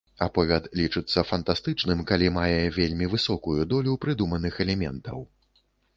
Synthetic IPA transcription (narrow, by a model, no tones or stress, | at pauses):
apɔvʲɛt̪lʲit͡ʂɨt̪sːɐfɐnt̪ast̪ɨt͡ʂnɨmkalʲimajɛvʲelʲmʲivɨsɔkujud̪ɔlʲupɾɨd̪umɐnɨxɛlʲɛmʲɛnt̪ɐw